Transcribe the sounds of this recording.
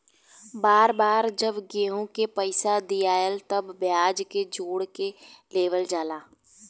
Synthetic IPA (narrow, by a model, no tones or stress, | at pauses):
baːɾbaːɾd͡ʒəbɡeːɦõkepəɪsad̪ijaːjəlt̪ɐbːjaːd͡ʒked͡ʒoːɽkeleːʋəld͡ʒaːlaː